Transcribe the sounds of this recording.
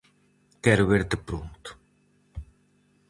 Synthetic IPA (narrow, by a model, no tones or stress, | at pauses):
kɛɾʊβeɾt̪ɪpɾunt̪ʊ̥